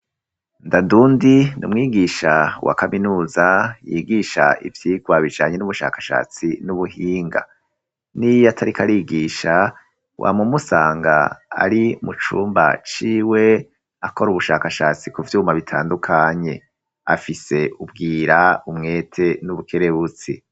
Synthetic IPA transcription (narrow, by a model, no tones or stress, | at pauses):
ndanduːndinṵmŋiːɡiʃawa̰kaminuːzajiɡiʃa̰ʔḭvjiːɡwaβid͡ʒaːɲe̞nuβuʃa̰ːkḁʃa̰ːt͡sinuβuhiːŋɡa̰ | nijatʰaɾikʰaɾiːɡiːʃa | wʔa̰mumusaːŋɡa̰a̰ɾimut͡ʃuːmba̰t͡ʃiːwe̞ | ako̞ɾuβuʃaːkaʃaːt͡sikuvjuːmaβitʰaːndukʰaɲe̞ | a̰fise̞ʔub̚ɡiːɾaumŋe̞ːtʰe̞nuβukʰe̞ɾeβut͡si